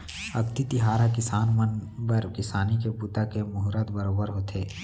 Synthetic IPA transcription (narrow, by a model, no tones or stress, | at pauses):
ɐkt̪it̪ɪɦaːɾakɪsaːnmənbəɾkɪsaːnikeput̪akemʊɦɾət̪bəɾoːbəɾɦoːt̪ʰeː